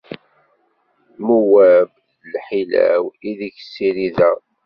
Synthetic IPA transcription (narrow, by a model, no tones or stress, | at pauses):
muwæb | lħilæ̰wiðiçə̥sːiɾiðæ